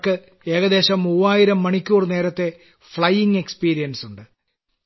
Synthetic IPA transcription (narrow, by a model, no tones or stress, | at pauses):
kːɨ | e̞ːɣɐd̪e̞ːɕɐmːuːaːjiɾɐmːɐɳikʲːuːrne̞ːɾɐt̪ːe̞ | fɭɐjːiŋɡe̞kspiːɾijɐnsuɳɖɨ